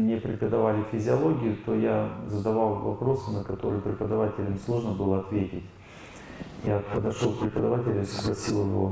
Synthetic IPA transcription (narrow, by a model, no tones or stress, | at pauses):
mnʲepɾʲɪpəd̪ɐvalʲɪfʲɪzʲɪɐlˠo̞ɡʲɪjʊt̪o̞jazəd̪ɐvalˠvɐ̰pɾo̞sɨnəkɐt̪o̞ɾɨjpɾʲɪpəd̪ɐvatʲɪlʲɪmslˠo̞ʐnəbɨlˠəɐt̪vʲetʲɪtʲ | japəd̪ɐʂolˠkpɾʲɪpəd̪ɐvatʲɪlʲʊisəɡlˠɐsʲilˠjɪvo̞̰